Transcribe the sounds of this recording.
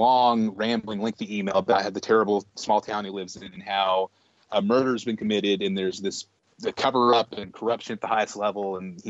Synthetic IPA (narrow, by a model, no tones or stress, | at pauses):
lɔ̃ŋɹæ̃mbl̩ˠɪ̃ŋlɪ̃ŋkθiimeɪlˠbʌɾaɪɨd̪̚ðɨtʰɛɹɨbl̩ˠsmɔlˠtʰãʊ̃nhilɪvzɨ̃nɨ̃naʊ | mɜ˞ɾə˞zbɨ̃nkʰɨmɪɾɪɾɨ̃nðə˞zðɪs | ðɨkʰʌvə˞ʌpɨ̃nkʰə˞ʌpʃɨ̃nɨt̪̚ðəhaɪɨstˡlɛvl̩ˠə̃ni